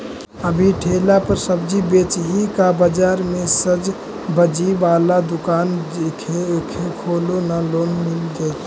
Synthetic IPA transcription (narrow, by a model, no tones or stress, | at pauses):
əbʱiʈʰelapəɾsəbd͡ʒibet͡ʃɦikabəd͡ʒaɾmesəd͡ʒ | bəd͡ʒibalad̪ukand͡ʒkʰekʰekʰolonalonmild͡ʒajt̪